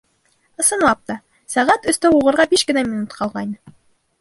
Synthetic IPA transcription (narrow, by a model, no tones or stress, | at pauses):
ɤ̆sɤ̆nlˠɑp̚t̪ɑ | sæʁæt̪ɵ̆st̪æuʁɤ̆ɾʁɑbiʃkɘ̆næmʲinut̪qʰɑlˠʁɑjn